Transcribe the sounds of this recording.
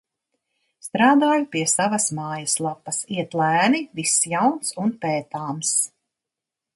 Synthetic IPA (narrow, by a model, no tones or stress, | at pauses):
st̪ɾaːd̪aːjupiɛsavɐsmaːjɐslˠapːɐsiɛt̪læːnivisjawnsunpɛːt̪aːms